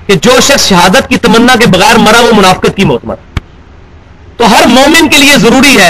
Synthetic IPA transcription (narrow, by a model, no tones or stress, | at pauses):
ked͡ʒoːʃɐxsʃɐɦaːd̪ət̪̚kit̪ɐmənːãk̬ebɐɣɛːɾmɐɾaomʊnaːfkət̪̚kimʊːt̪əmə̰t̪̚ | t̪oːɦɐɾmoːmɪ̃nkeliezɐɾuːɾiɦɛː